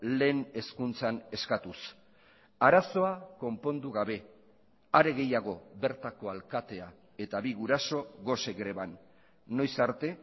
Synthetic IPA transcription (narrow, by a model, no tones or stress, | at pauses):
le̞ːne̞skunt͡sane̞skat̪us | aɾaso̞ako̞mpo̞nd̪uɣaβe̞ | aɾe̞ɣe̞jaɣ̞o̞βe̞ɾt̪ako̞alkat̪e̞a | e̞t̪aβiɣuɾaso̞ɣo̞se̞ɣɾe̞βanː | o̞jsaɾt̪e̞